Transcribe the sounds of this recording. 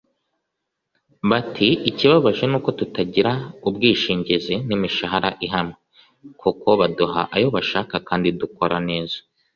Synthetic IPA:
βatʰiːciβaβaʒe̞nuːko̞tutaɟiɾaubɡiːʃiːɲɟezenimiʃaɦaɾaʔiɦamŋe | kʰuko̞βaduɦa̰ʔajo̞βaʃaːkakaːndiduko̞ɾane̞ːzḁ

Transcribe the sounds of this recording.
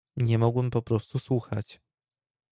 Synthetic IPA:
ɲɛmɔɡwɛmpɔpɾɔst̪uswuxa̰t͡ɕ

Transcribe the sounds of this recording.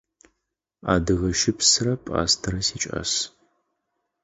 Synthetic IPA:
a̰ːdɨɣɐʃɪpʰsɨrɐpʼa̰ːstʰɐɾɐsiːt͡ʃʼɐ̰s

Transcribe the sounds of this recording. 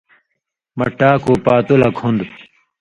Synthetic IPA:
mɐʈːaːkopaːt̪ulɐkʰund̪

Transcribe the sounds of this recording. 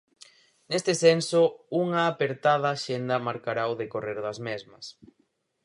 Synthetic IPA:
nest̪ɪsensouŋɐːpeɾt̪aðaːʃend̪ɐmaɾkaɾaoðekoreɾðɐzmezmɐs

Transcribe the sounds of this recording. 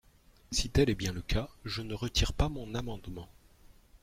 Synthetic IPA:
sit̪ɛlɛbjɛ̃ləkaʒənəʁət̪ʰiʁpamɔ̃namɑ̃d̪mɑ̃

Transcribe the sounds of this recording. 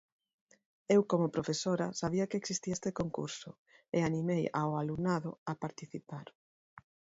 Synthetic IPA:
ewkomopɾofesoɾasaβiɐkeksist̪iest̪ekoŋkṵɾsʊ | eanimeja̰walunaðʊapaɾt̪iθipaɾ

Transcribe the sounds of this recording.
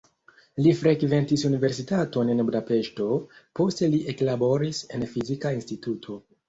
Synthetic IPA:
lifɾe̞kve̞ntisunive̞ɾsitato̞nenbudape̞ʃto̞po̞ste̞liʔe̞klabo̞ɾise̞nfizikainstitutʰo̞

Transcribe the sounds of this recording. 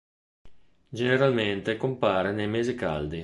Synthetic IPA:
d͡ʒeneɾalment̪ekompaːɾenejmeːzika̰ld̪i

